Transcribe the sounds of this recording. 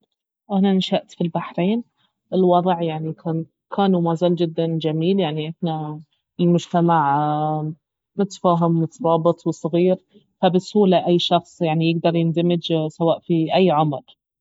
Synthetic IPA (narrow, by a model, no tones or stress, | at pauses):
ʔananʃaʔt̪filbaħɾeːn | ʔɪlwɑðˤʕjaʕnikʰaːn | kʰaːnumazald͡ʒɪd̪ːand͡ʒamiːljaʕniʔɪħna | ɪlmʊd͡ʒt̪amaʕ | mʊt̪faːɦɪmːʊt̪ɾˤɑːbɨt̪ˤwsˤɣiːɾ | fabɪshuːlaʔajːʃɑxsˤjaʕnijɪɡd̪ɑɾˤjɪnd̪amɪd͡ʒsawaːʔfiʔajːʕʊmɾ